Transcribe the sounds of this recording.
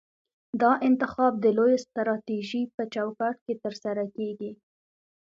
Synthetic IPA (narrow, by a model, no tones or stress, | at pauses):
d̪ɑʔɪnt̪ɪxɑb̚d̪əlojst̪ɾɑt̪iʒipət͡ʃawkɑʈket̪əɾsaɾakeɡi